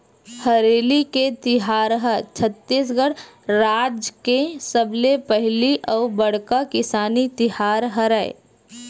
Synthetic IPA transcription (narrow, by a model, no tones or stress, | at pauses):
həɾeːliket̪ɪɦaːɾɦət͡ʃʰət̪ːisɡəɽ | ɾaːd͡ʒkesəblepəɦliʔɔːbəɽkakɪsaːnit̪ɪɦaːɾɦəɾaːḛ